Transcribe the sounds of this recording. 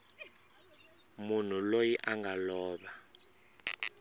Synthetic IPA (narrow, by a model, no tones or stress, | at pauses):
mun̤ulojiʔaŋɡʱalɔːɓa